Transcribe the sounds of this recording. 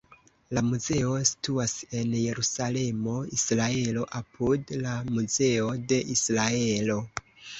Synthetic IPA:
lamuze̞o̞si̥tuase̞nje̞ɾusale̞mo̞isɾae̞lo̞ʔapʰudlamuze̞o̞de̞ʔisɾae̞lo̞

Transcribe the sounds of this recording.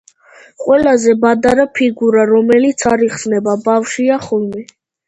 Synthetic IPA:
qʼwɛlazɛbad̪aɾapʰiɡuɾaɾɔmɛlit̪sʰaɾiχsnɛbabafʃiaχɔlmɛ

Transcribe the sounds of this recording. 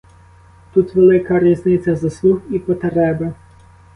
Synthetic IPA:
t̪ut̪ʋelˠɪkɐɾiznɪt͡sʲɐzɐslˠuxipɔt̪ɾɛbɪ

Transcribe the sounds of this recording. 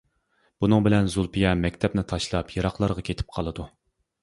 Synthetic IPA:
b̥unɨŋbɪlɛnzulˠpʰijɛmɛkʲt̪ʰɛpnɪt̪ʰɑʃlˠɑpʰjɨɾɑχlˠɑɾʁɑkʲʰet̪ʰɪ̥p̚qʰɑlˠɨd̪u

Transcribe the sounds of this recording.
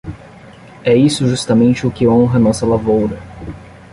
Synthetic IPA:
ɛisʊʒust̪ɐmẽnt͡ʃɪʊkɪõɦɐnɔsɐlavowɾɐ

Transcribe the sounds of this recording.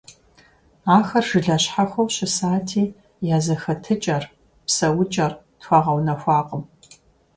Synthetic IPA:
aːxɐrʒ̥ɨɮɐɕħaxʷɐwɕɪsaːtʰiː | jaːzɐxɐtʰɨt͡ʃʼɐr | psɐwʊt͡ʃʼɐr | txʷɐʁɐwnɐxʷɑːqʼəm

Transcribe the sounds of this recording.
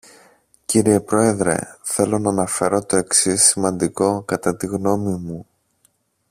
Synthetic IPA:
ciɾie̞pɾo̞e̞ðɾe̞̰θe̞lo̞nɐːnɐfe̞ɾo̞t̪o̞e̞ksisːimɐnd̪iko̞kɐt̪ɐt̪iɣno̞mimu

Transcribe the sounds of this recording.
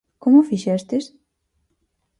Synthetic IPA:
komʊfiʃɛst̪ɪs

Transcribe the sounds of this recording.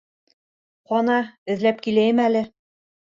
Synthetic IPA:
χɒnɑɘ̆ðlæp̚kilæjɘmælɘ

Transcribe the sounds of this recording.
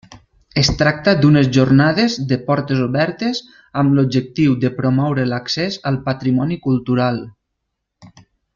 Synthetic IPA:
əst̪ɾak̚t̪əd̪unəzʒuɾnaðezd̪əpɔɾt̪əzuβɛɾt̪ez | əmlub̚d͡ʒək̚t̪iwd̪əpɾomɔwɾələksɛzəlˠpət̪ɾimɔnikulˠt̪uɾalˠ

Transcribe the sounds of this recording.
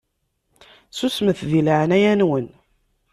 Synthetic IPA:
susməθðilʕnæjænwən

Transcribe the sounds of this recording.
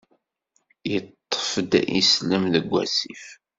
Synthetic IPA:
jət̪ˤːə̥fd̪ḭsləmðəɡʷːæ̰sif

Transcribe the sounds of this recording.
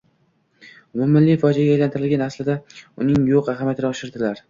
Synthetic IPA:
mʊmɪnlɪfɒd͡ʒaɡʲaːjlant̪ʰɪɾɪlɡʲanaslɪd̪aʊnɪŋjoqaɦamjat̪ʰɾɪɒʃɪɾd̪ɪlaɾ

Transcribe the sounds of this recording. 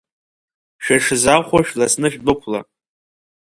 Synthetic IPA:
ʃᶣaʂɨzaχʷaʃᶣlasnɨʃᶣbɨpʰla̰

